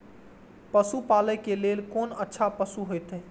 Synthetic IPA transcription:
pəsupaləjkelelkonətːʃʰapəsuɦojt̪ə

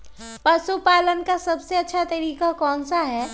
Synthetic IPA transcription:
pɐsupaːlənkasɐbseɐtːʃʰat̪ɐɾiːkakɔːnsaɦɛː

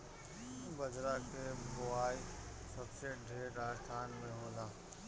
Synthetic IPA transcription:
bəd͡ʒɾakeboaːi | səbseɖʱeːɾɾaːd͡ʒt̪ʰaːnmẽɦoːlaː

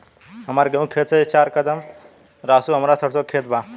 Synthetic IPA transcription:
ɦəmaɾɡəũkʰeːt̪sʰet͡ʃaːɾkəd̪əm | ɾaːsuɦəmɾasəɽsokʰet̪̚ba

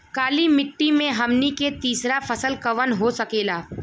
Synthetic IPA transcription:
kaːlimɪʈːimẽɦɐmniket̪iːsɾafɐsəlkɐʋənɦosɐkeːlaː

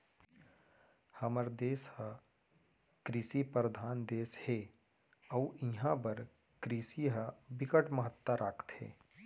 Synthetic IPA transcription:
həməɾd̪eːshə | kɾisipəɾəd̪ʱaːnd̪eːshe | əwiɦãbəɾ | kɾisiɦəbɪkəʈməɦət̪ːəɾʔaːkʰt̪ɦḛː

